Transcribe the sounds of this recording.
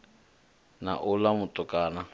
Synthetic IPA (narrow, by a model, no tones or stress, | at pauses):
na̰ʔʊlamʊtɔkʼaːna